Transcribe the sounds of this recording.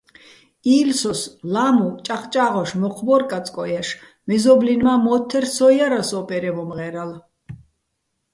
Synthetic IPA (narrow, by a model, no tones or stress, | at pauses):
iːlsɔslamut͡ʃʼaχt͡ʃʼaʁɔʃmɔqʰbɔɾkʼat͡sʼkʼɔjaʃ | mɛzɔblinmamɔt̪ʰːɛɾsɔjaɾasɔpʼɛɾɛmɔmʁɛɾal